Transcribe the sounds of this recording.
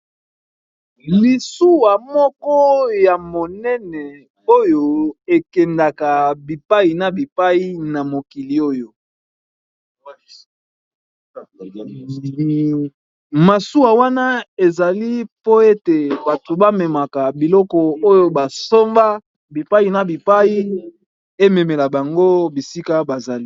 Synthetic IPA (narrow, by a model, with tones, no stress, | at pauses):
li˨su˦wa˨mɔ˦kɔ˦ja˨mo˨nɛ˦nɛ˨ | o˦jo˦e˨kɛ˨nda˨ka˨bi˨pa˦i˨na˨bi˨pa˦i˦na˨mo˨ki˨li˨o˦jo˨ | ma˨su˦wa˨wa˦na˦e˨za˨li˦po˦e˦te˨ba˨to˨ba˦mɛ˨ma˨ka˨bi˨lɔ˦kɔ˨o˦jo˦ba˨so˦mba˦ | bi˨pa˦ji˨na˦bi˨pa˦ji˦ | e˦me˨me˨la˨ba˨ŋɡo˦bi˨si˦ka˦ba˨za˨li˦